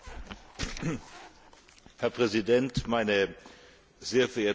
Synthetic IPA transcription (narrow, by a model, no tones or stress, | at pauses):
hɛɐpʁ̥ɛzidɛntmaɪnə | zeːɐfɛɐʔeːɐ